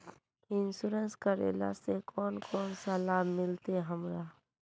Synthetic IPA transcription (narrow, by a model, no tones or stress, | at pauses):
ɪnsʊɾənskəɾḛːla̰sekʰɔːnkʰɔːnsalaːbʱmɪlt̪eɦəmɾaː